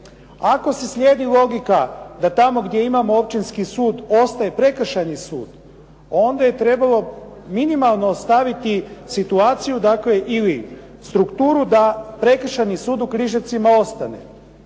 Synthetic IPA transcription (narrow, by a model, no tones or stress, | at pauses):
ako̞se̞slʲjeːd̪ilˠo̞ɡikad̪at̪amo̞ɡd̪je̞imamoopt͡ʃinskisuːd̪o̞st̪aje̞pɾe̞kr̩ʃajnisṵːd̪̥ | o̞nd̪aje̞t̪ɾe̞balo̞ | minimalˠnoːst̪aʋit̪isit̪uaːt̪sijud̪akle̞ʔili | st̪ɾukt̪uːɾud̪apɾe̞kr̩ʃajnisuːd̪ukɾiʒat̪simao̞st̪anḛ